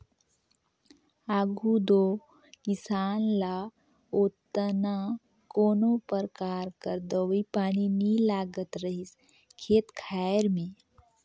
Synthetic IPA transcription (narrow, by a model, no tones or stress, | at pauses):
aːɡud̪oː | kɪsaːnla | oːt̪əna | koːnopəɾkaːɾkəɾd̪oʋipaːninilaːɡət̪ɾəɦis | kʰeːt̪kʰaːɾmẽ